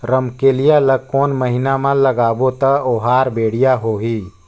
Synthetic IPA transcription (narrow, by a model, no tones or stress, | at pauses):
ɾəmkeːlijaləkoːnməɦɪnamãləɡaːbot̪əoɦaːɾbeːɽ̤ijaɦoːɦiː